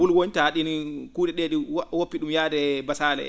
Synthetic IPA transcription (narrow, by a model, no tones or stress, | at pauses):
wulwontaɗinkuːdɛɗeːɗiwopːiɗumjaːdɛbasaːlɛ̰